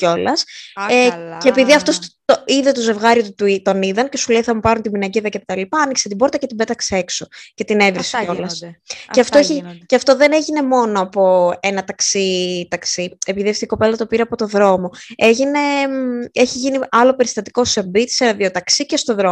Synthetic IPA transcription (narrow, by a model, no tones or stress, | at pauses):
co̞lɐs | ceːpiðiɐft̪ost̪oiðet̪oze̞vɣɐɾiot̪ut̪ut̪oniðɐnce̞suleiθɐmupɐɾunt̪iminɐɟeðɐcet̪t̪ɐlipɐɐnikset̪iboɾt̪ɐcet̪ibe̞t̪ɐksee̞kso̞ce̞t̪ine̞vɾisolɐsceɐft̪oeçceɐft̪o̞ðe̞ne̞ʝine̞mo̞no̞ɐpo̞e̞nɐt̪ɐksit̪ɐksie̞piðiɐft̪oiko̞pe̞lɐt̪o̞piɾeɐpo̞t̪o̞ðɾo̞mo̞e̞ʝine̞eçiʝiniɐlo̞pe̞ɾist̪ɐt̪i̥ko̞sembit̪i̥senɐðiot̪ɐksice̞st̪o̞ðɾo̞